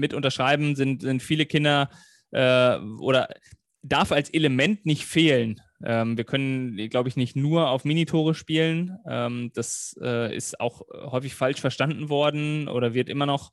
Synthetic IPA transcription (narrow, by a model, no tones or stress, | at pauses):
mɪtʔʊntɐʃʁ̥aɪbm̩zɪntz̥ɪntfiːləkʰɪndɐ | ʔɛːʔo̰ːɾɐ | daɐfalsʔeləmɛntnɪçtfeːlən | ʔɛːmviːɐkʰœnənɡlaʊbəɪçnɪçtnuːɐaʊfmiːnitʰoːʁ̞əʃpiːlənʔɛːmd̥asʔɛːʔɪ̰sta̰ʊxhɔʏfɪçfalʃfɛɐʃtandn̩vɔɐdn̩ʔo̰ːɾɐvɪɐtʔɪmɐnɔχ